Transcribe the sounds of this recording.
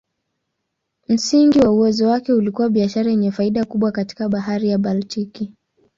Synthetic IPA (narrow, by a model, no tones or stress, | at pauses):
m̩siŋɡiwauwɛzɔwakɛulikuwaɓiaʃaɾajɛɲɛfaiɗakuɓwakati̥kaɓaɦaɾijaɓaltiki